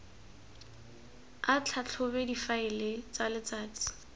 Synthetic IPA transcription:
at͡ɬʰat͡ɬʰʊbɛdifaɪlɪt͡salɪt͡saːt͡si̥

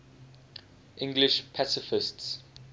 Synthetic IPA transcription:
ʔɪ̃ŋɡlɪʃpʰasɪfɪsts

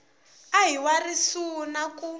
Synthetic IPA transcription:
aɦiwarisunaku

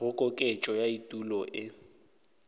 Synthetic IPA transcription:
ʊkʼɔkʼet͡ʃʼɔjaitʼulɔʔɪ

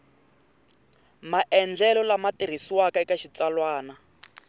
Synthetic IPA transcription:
maʔɛnd͡ɮɛlɔlamatiɾ̤isiwakaikaʃit͡salwaːna

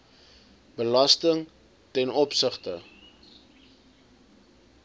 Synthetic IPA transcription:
b̥əlɐstəŋ | tɛnɔpsəχtə

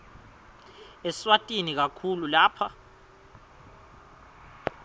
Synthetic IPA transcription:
ɛswatʼinik̬akʰululaːpʰa

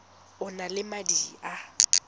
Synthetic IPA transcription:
ʊnalɪmadia

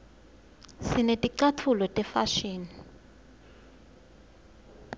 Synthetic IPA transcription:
sinetʼiǀatʰulɔtʼɛfaʃiːni

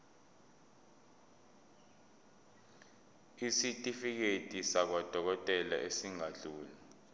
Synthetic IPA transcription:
isitʼifik̬etʼisak̬wad̥ʱɔk̬ɔtʼɛla̰ʔesiŋaɮuːla

